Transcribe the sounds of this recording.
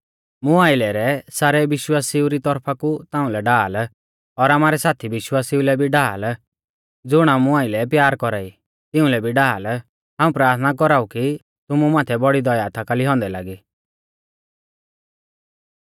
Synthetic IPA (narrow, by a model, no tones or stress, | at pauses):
mʊ̃aːɪlɛɾɛsaːɾɛʋɪʃwaːsiuɾit̪ɔɾpʰakut̪ãːũlɛɖaːl | ɔɾaːmaːɾɛsaːt̪ʰiʋɪʃwaːsiulɛbʱiɖaːl | d͡zʊɽ̃amũaːɪlɛpjaːɾkɔɾaːi | t̪ɪũlɛbʱiɖaːl | ɦaːũpɾaːɾt̪ʰnakɔɾaːuki | t̪ʊmumaːt̪ʰɛbɔɽid̪ɔjat̪ʰakaliɦɔ̃nd̪ɛla̰ːɡi